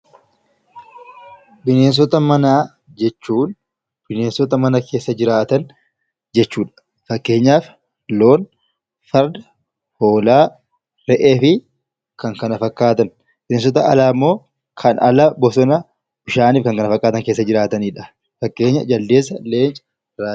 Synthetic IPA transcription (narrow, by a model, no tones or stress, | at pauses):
bɪne̞ːns̬ɔt̪ɐmɐnaː | d͡ʒɛt͡ʃːuːn | b̥ɪneːnsɔt̪ɐmɐnɐkʰe̞ːsːɐd͡ʒɪɾaːt̪ɐn | d͡ʒɛt͡ʃːuːᶑɐ̥ | fɐkːe̞ːɲːaːf | lo̞ːn | fɐɾd̪ɐ̥ | ho̞ːlaː | ɾɛʔeːfɪ | kɐŋkɐnɐfɐkːaːt̪ɐn | bɪneːns̬ɔt̪ɐʔɐ̰laːmːo̞ː | kʰɐnɐ̰lɐbɔsɔnɐ | ʊʃaːniːfkɐŋkɐnɐfɐkʼːaːt̪ɐŋke̞ːs̬ːɐd͡ʒɪɾaːt̪ɐniːᶑɐ̥ | fɐkːe̞ːɲːɐd͡ʒɐld̪e̞ːs̬ːɐle̞ːnt͡ʃʼɐ̥ | ɾaː